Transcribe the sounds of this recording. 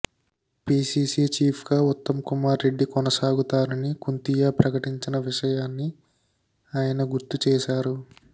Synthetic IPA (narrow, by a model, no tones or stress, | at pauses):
piːsiːsiːt͡ʃiːpʰɡaːut̪ːɐmkumaːɾːe̞ɖːikɔnɐsaːɡut̪aːnɐnikunt̪ijaːpɾɐkɐʈiɲt͡ʃinɐʋiʂɐjaːnːi | aːjɐnɐɡuɾt̪ut͡ʃɛːʃaːɾu